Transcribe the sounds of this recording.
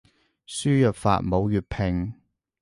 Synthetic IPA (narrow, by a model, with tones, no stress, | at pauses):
syː˥jœː˨p̚fa̰ː˨t̚mo˨˧wjyː˨t̚pʰɪ˨˩ŋ